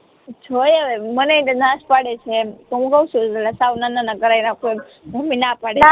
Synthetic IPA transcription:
d͡ʒʰojəʋemənenãʃpaɽet͡ʃʰet̪oɦũkəũt͡ʃʰũəlasawnananakəɾajnakoj | bʱominapaɽe

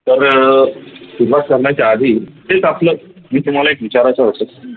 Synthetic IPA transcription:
t̪əɾ | suɾʋat̪kəɾɳjat͡ɕaad̪ʱiːt̪et͡saplə | miːt̪um̤alaekʋit͡ɕaɾat͡ɕaʋəɽsək̚t̪o

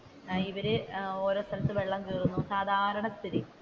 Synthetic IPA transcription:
iʋɐɾɨoːɾo̞ːst̪ʰɐlɐt̪ːɨʋe̞ɭːɐmkiːrunːusaːd̪ʱaːɾɐɳɐst̪ʰit̪i

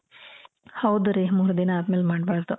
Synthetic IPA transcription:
hɐwd̪uɾemuːɾd̪inɐaːt̪meːlmaːɖbaːɾd̪u

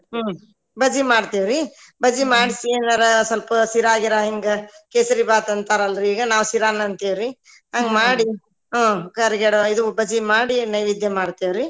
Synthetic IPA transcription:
bɐd͡ʒimaːɽt̪eʋɾi | bɐd͡ʒimaːɽsienaɾɐsɐlpɐsiɾaːɡiɾɐɦiŋɡekeːsɐɾibaːt̪ɐnt̪aːɾɐlɾiːɡɐnaːʋsiɾaːnɐnt̪eːʋɾi | ɐŋɡmaːɽi | ɦãːkɐɾɡɛɽoid̪ubɐd͡ʒimaːɽinɐjʋid̪ʱjɐmaːɽt̪eʋɾi

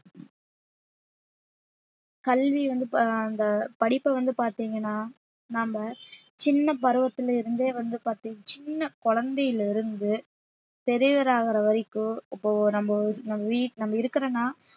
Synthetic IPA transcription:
kɐlʋiʋɐnd̪ɯɐnd̪ɐpɐɽɪpːɐʋɐnd̪ɯpaːɾt̪iːŋɡɐnːaː | nɐmbɐ | t͡ʃɪnːɐpɐɾɯʋɐt̪ːɯlɪɾɯnd̪eːʋɐnd̪ɯpaːɾt̪iːŋɡɐt͡ʃɪnːɐkɔɻɐnd̪ɐjɪlɪɾɯnd̪ɯ | pɛɾɯʋɐɾaːɣɐɾɐʋɐɾɪkːɯ̃ɪpːoːnɐmbɐnɐmɐʋiːnɐmːɐɪɾɯkːɐɾɐnːaː

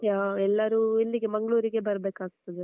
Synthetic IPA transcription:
jaːɛlːɐɾuilːiɡemɐŋɡɐɭuːɾiɡe̞bɐɾbeːkaːɡt̪ːɐd̪e

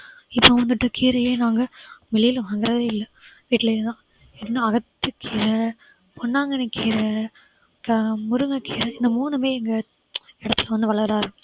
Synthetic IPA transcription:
ɪpːoʋɐnd̪ɯʈːɯkʰiːɾɐjeːnaːŋɡɐʋɛlɪjlɐʋaːŋɡɪɾɐðeːɪlːɐʋiːʈːɪlɐɪɾɯnãː | ɪnːɯ̃ɐɣɐt̪ːɯkʰːiːɾɐ | pɔnːaːŋɡɐnɛkːiːɾɐ | kmʊɾɯŋɡɐkiːɾɐɪnd̪ɐmuːnɐmeːɛŋɡɐ | ɪɽɐt̪ːɪlɐʋɐnd̪ɯʋɐɭɐɣɾaːɾɯ

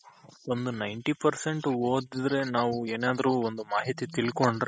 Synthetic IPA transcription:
ond̪unɐjɳʈipɐɾse̞ɳʈuoːd̪id̪ɾe̞naːʋueːnaːd̪ɐɾuond̪umaːɦit̪it̪iɭko̞ɳɖɾ

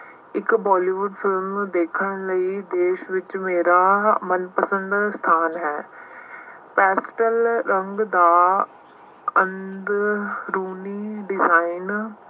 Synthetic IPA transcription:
ɪkbɔːliːʋʊɖfʰɪlmd̪eːkʰəɳləiːd̪eːʃʋɪt͡ʃmeːɾaːmənpəsə̃nd̪st̪ʰaːnɦɛː | pɛːsʈəlɾəŋɡd̪aː | ənd̪ɾuːniːɖɪzaːin

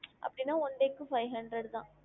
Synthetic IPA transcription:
ʔɐ̰pːɐɽɪnːaːɔnɖeːkːɯfɐɪɦɐɳɖɾɛɽt̪ã̰ː

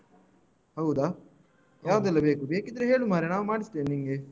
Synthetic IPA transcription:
hɐwd̪aː | jaːʋɐd̪ɐlːɐbeːkubeːkid̪ɾeɦeːɭumaːɾenaːʋumaːɽist̪eːnniŋɡe

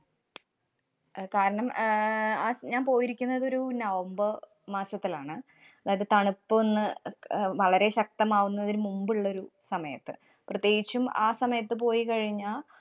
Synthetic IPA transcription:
kaːɾɐɳɐm | aːɲaːnpo̞ːjiɾikʲːunːɐðo̞ɾunɐʋɐmbɐ | maːsɐt̪ːilaːɳɨ | ɐðaːjɐðɨt̪ɐɳupːɨonːɨ | ʋɐɭɐɾe̞ɕɐk̚t̪ɐmaːɣunːɐðiɾumumbɨɭːɐo̞ɾusɐmɐjɐt̪ːɨ̰ | prɐt̪je̞ːɡit͡ɕːuma̰ːsɐmɐjɐt̪ːɨp̬o̞ːjikɐɻiɲːaː

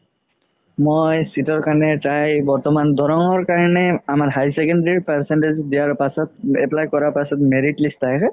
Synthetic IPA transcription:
mojsitɔɹkaɹnɛtajbɔɹtɔmand̪ʱɔɹɔŋɔɹkaɹɔnɛamaɹɦajsɛkɔnɖeɹipɛɹsɛnʈezdijaɹpasɔt̚ɛplajkɔɹaɹpasɔtmeɹiʈlistajk

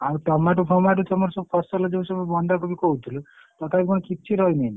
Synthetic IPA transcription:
awʈɔmaʈ̬upʰɔmaʈ̬ut̪ʰɔmɔɾɔsɔbupʰɔsɔlɔd͡ʒeũsɔbɔbɔnd̪ʱɔkɔbikɔɦut̪ʰilu | t̪ɔt̪ʰabikɔɽɔkit̪̚ːt͡ʃʰiɾɔɦinein

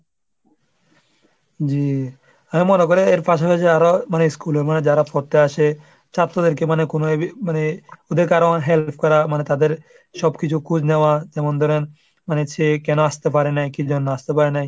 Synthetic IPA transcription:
d͡ʑi | amimonekoɾeeɾpaʃapat͡ʃʰeaɾomaneskuleɾmaned͡ʑaɾafʰɔɾt̪eaʃe | t͡ʃʰat̪ːɾod̪eɾkemanekonoebimaneod̪eɾkaɾonɦelpʰkɔɾamanet̪ad̪eɾ | ʃɔbkit͡ɕʰukʰud͡ʑnewad͡ʒɛmond̪ʱɔɾen | manet͡ʃʰekɛnoast̪ep̬aɾenajkid͡ʒɔnːoast̪epaɾenaj

